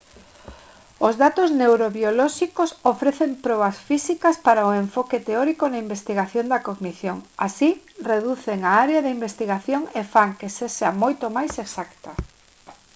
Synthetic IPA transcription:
ozðat̪oznewɾoβjolɔʃikosofɾeθempɾɔβɐsfisikɐspaɾaoeɱfɔket̪eɔɾikonaimbest̪iɣaθjond̪ɐkoɣmiθjoŋasi | reðuθeŋaaɾeaðɪimbest̪iɣaθjoŋefaŋkeseʃamojt̪omajseksakt̪ɐ

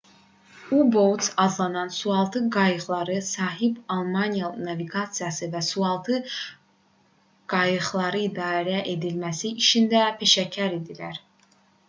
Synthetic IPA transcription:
ubolt̪sɑzlˠɑnɑnsuɑlˠt̪ʰɯɡɑjɯχlˠɑɾɯsɑːɦibɑlˠmɑnijanɑviɡɑt̪sijɑsɯvæsuɑlˠt̪ʰɯ | ɡ̥ɑjɯχlˠɑɾɯid̪ɑːɾæʔe̞d̪ilmæsiiʃind̪æpʰe̞ʃæcʰæɾed̪ilæɾ

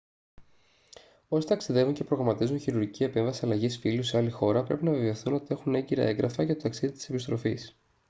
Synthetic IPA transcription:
o̞si̥t̪ɐksiðe̞vuɲce̞pɾo̞ɣɾɐmɐt̪izunçiɾuɾʝicie̞pe̞ɱvɐsiɐlɐʝisfiluseɐlixo̞ɾɐpɾe̞pinɐveveoθuno̞t̪ie̞xune̞ɲɟiɾɐ̰e̞ŋɡɾʔɐfɐʝɐt̪ot̪ɐksiðit̪i̥se̞pist̪ɾo̞fis

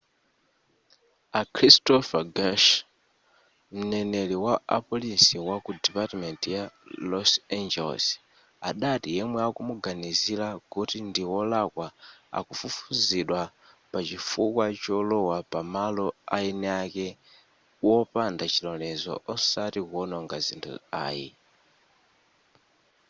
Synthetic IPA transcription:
akʰɾistɔfaɡaʃ | m̩nɛnɛliwaapɔlisiwakudɛpatmɛntjalɔsand͡ʒɛlɔ̰s | aɗatijɛmwɛakumuɡanizilakutindiwɔlakwaa̰kufufuziɗwa | pat͡ʃifukwat͡ʃɔlɔwapamalɔainɛakɛ | wɔpandat͡ʃilɔlɛzɔ̰ʔɔsatikuɔnɔŋɡazḭntʰṵa̰ːjḭ

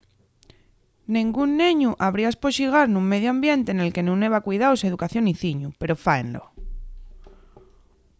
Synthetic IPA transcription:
nĩŋɡunːeɲuʔaβ̞ɾiaspoʃiɣ̞aɾnũŋme̞ð̞joambje̞nt̪e̞ne̞lke̞nũne̞β̞akwuiðawse̞ðukaθjo̞niθiɲupe̞ɾo̞faenlo̰

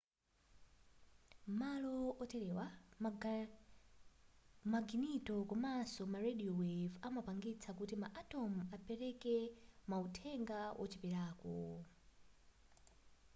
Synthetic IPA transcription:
malɔɔtɛɾɛwa | maɡinitɔkɔmasɔmaɾeɗiɔwevamapaŋɡit͡sʰakutimaʔatɔm̩apɛɾɛkɛmautʰɛŋɡawʔɔ̰t͡ʃipiɾaːkɔ

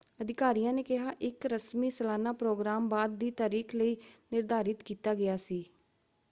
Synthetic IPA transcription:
əd̪ɪkaːɾijãːneːkɪɦaːʔɪkɾəsmiːsəlaːnaːpɾoːɡɾaːmbaːd̪̚ːiːt̪aːɾiːkʰləiːnɪɾd̪aːɾɪt̪kiːt̪aːɡɪjaːsiː

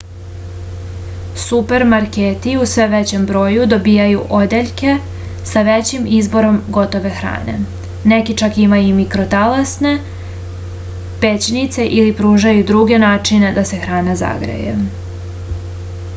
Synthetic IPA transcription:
supe̞ɾmaɾkeːt̪iusʋe̞ʋet͡ɕe̞mbɾo̞ːjud̪o̞biːjajuʔo̞d̪eʎke̞ | saʋet͡ɕimizbo̞ɾo̞mɡo̞t̪o̞ʋe̞xɾa̰ːne̞̰ | ne̞kit͡ʃakimajumikɾo̞t̪alasne̞ | pe̞t͡ɕnit̪se̞ʔilipɾuːʒajud̪ɾuɡe̞naːt͡ʂine̞d̪ase̞xɾaːnaza̰ɡɾḛjḛ

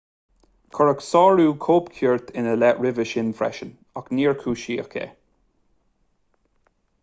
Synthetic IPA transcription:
kʰɔɹəksɔːɹuːkʰoːpkʰjuːɹt̪ʰɪnəlɛʔɹɪvəʃɪnfɾɛ̰ʃən | akniːɹkʰuːʃiːə̰kʰḛ

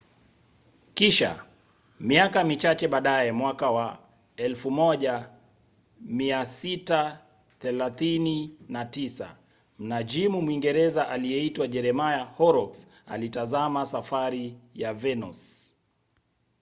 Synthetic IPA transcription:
kiʃa̰ | miakamit͡ʃat͡ʃɛɓaɗaɛmwakawa | ɛlfumɔʄa | miasita | θɛlaθininatisa̰ | m̩nad͡ʒimumwiŋɡɛɾɛzaʔalijɛitwaʄɛɾɛmajahɔɾɔks | a̰litazamasafaɾijavɛnus

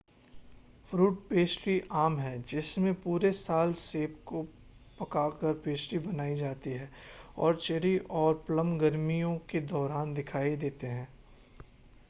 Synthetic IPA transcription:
fɾuːʈ̚peːsʈɾiʔaːmɦɛd͡ʒɪsmẽpuːɾesaːlseːp̚ko | pɐkaːkəɾpeːsɾibɐnaːid͡ʒaːt̪iɦɛːɔ̰ːɾt͡ʃeɾiʔɔːɾplə̃mɡɐɾmijõked̪ɔːɾaːnd̪ɪkʰaːid̪eːt̪eɦɛ̃ː

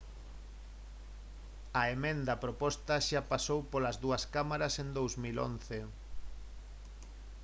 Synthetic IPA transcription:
ɐemẽnd̪ɐpɾopɔst̪ɐʃapasowpolɐzðuɐskamaɾɐsend̪owzmilo̰nθe

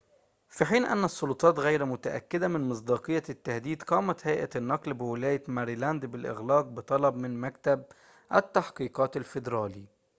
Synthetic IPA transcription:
fiħiːnʔæ̰nːæsˤːʊlʊt̪ˤɑːt̪ɣæjɾmʊt̪aʔæ̰kːɪd̪æmɪnmɨs̬ˤd̪ɑːqɨjːat̪ːahd̪iːd̪qɑːmæt̪hæjʔænːɑqlbɪwɪlæːjamæɾiːlænd̪bɪlʔɪ̰ɣlɑːq̚bɨt̪ˤɑlɑbmɪnmæk̚t̪æb̚ | ʔæt̪ːaħqiːqɑːt̪alfɪd̪ɾˤɑːliː

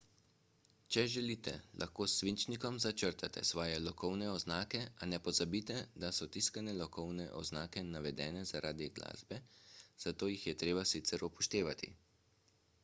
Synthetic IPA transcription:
t͡ʃɛʒɛliːt̪ɛ̰lʔa̰xkoːsːʋint͡ʃnikɔmzat͡ʃəɾt̪at̪ɛ̰sʋɔːjɛlɔkɔwnɛɔznaːkɛanɛpɔzabiːt̪ɛd̪asɔt̪iskanɛlɔkɔwnɛʔɔ̰znaːkɛnaʋɛd̪ɛ̰ːnɛzaɾʔaːd̪iɡla̰ːzbɛz̥at̪oːjixjɛt̪ɾeːbasit̪sɛɾupɔʃt̪eːʋat̪ʰḭ

